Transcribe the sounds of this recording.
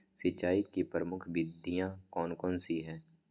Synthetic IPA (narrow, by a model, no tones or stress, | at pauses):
sɪt͡ʃːaːikipɾəmʊkʰbɪd̪ʱːijãkɔːnkɔːnsiɦɛː